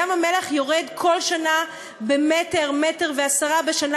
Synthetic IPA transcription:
amameleχjoʁedkʰo̞lʃana | bemeteʁmeteʁveasaʁabeʃana

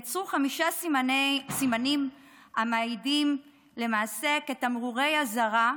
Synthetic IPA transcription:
t͡sʁuχamiʃa | simanim | amaidim | le̞maːse̞ke̞t̪amʁuʁe̞jazaʁa

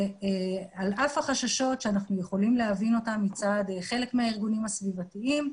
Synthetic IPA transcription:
ealʔafaχaʃaʃo̞tʃeanaχnujeχo̞limleɦavino̞tamːit͡sadeχe̞le̞kmeaiʁɡunimasvivatiim

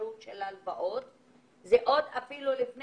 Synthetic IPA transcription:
ut̪ʃelhalbaʔo̞t̪ | zeʔo̞d̪afilulifn

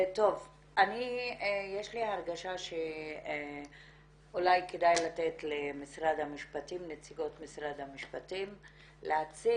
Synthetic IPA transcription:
t̪o̞v | ʔanijeʃliaʁɡaʃaʃe | ulajkedajlat̪et̪lemisʁad̪hamiʃpatimnet͡siɡo̞tmisʁad̪hamiʃpatim | leat͡si

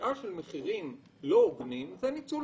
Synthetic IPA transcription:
aʃelmeχiʁim | looɡnimzenit͡su

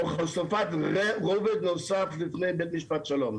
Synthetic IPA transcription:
χalsofat̪ʁeʁoved̪nosaflifnejbet̪miʃpat̪ʃalom

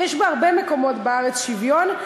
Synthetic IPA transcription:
jɛʃbeaʁbemeko̞mo̞tbeaʁet͡sʃivjo̞n

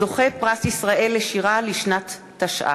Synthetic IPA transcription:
doχepʁasisʁaʔe̞lːeʃiʁaliʃnat̪ː | aʃʔa̰

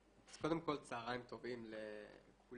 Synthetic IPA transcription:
az̥ko̞d̪emko̞lt͡saːʁaimt̪o̞vimlekʰul

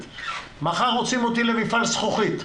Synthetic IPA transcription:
maχaʁot͡simot̪ilemifalsχuχit̪

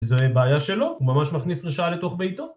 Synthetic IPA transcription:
zebeːjaʃe̞lo̞umamaʃmaχnisʁeʃaalet̪o̞χbejt̪o

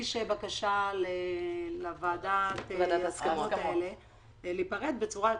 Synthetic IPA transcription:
iʃebakaʃalelavaːdat̪vadaskamotaele̞ | lipaʁed̪bet͡suʁa

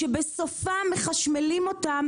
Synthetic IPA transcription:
ebe̞sofameχaʃmelimo̞tam

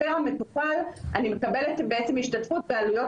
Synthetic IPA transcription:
eome̞tupalʔanimekabe̞let̪beet͡se̞miʃtatfut̚bealujo̞

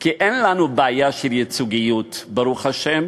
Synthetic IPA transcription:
kiʔenlanubaajaʃeljet͡suɡijutbaɾuχhaʃem

